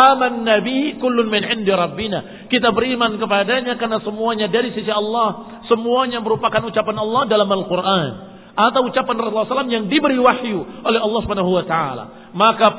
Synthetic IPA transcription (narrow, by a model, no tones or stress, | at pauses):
amanːabihikʊlːʊnmɪnʕɪndiɾɑbːina | kit̪abəɾimankəpadaɲakarnasəmuaɲadaɾisisiɑlːɑh | səmuaɲaməɾupakanut͡ʃapanɑlːɑhdalamalkurʔan | ʔat̪awut͡ʃapanrɑsulːasalamjaŋdibəɾiwahjuolɛɦɑlːɑhsubanaɦuwat̪aa̰la̰ | maka